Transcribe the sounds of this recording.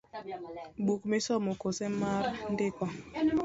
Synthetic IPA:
ɓukmɪsɔmokosɛmaɾndɪkɔ

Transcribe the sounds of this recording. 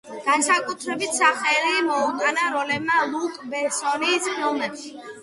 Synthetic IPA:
ɡ̥ansakʼut̪ʰɾɛbit̪ʰsaχɛlimɔutʼanaɾɔlɛbmalˠukʼbɛsɔniːsʰɔlˠnɛpʃi

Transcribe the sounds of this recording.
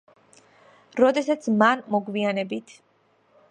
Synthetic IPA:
ɾɔd̪ɛsat̪sʰmanmɔɡmianɛbit̪ʰ

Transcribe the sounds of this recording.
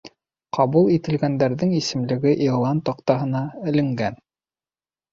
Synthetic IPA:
qʰɑβulˠit̪ɘ̆lɡænd̪æɾðɘŋisɘ̆mlɘ̆ɡɘʔilˠɑnt̪ɑqt̪ɑɦɤ̆nɑɘ̆lɘ̆ŋɡæn

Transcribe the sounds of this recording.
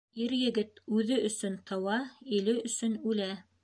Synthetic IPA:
iɾjɘ̆ɡɘt̪ʉðɵʔɵ̆sɵnt̪ɤ̆wɑilɘɵ̆sɵnʉlæ

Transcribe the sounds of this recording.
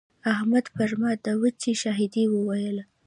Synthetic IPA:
ahmad̪paɾmɑd̪əwət͡ʃiʃɑɦid̪iwəwajəl

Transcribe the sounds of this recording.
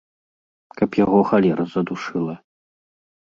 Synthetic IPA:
kɐpjaɣɔxalʲɛɾʔɐzɐd̪uʂɨlˠɐ

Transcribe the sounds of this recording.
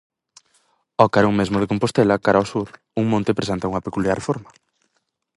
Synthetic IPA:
ɔkaɾoŋmezmoð̞ekõmpost̪ɛlɐkaɾaɔsuɾ | uŋmõnt̪epɾes̬ent̪auŋɐpekuljarfoɾmɐ

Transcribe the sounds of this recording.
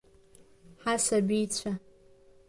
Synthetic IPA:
ħasabijt͡ɕʷʰa

